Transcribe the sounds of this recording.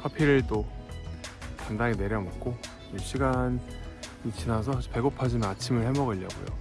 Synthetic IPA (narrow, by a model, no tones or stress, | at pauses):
kʰapʰiɾɯɭt͈o | tandaŋine̞ɾjʌmʌk̚k͈o | jɯɕ͈ʰiɡanit͡ɕ͈ʰinasʰʌpe̞ɡopʰad͡ʑinnat͡ɕʰimɯɭhe̞mʌɡɯʎːʌ̰ɡo̰jo̰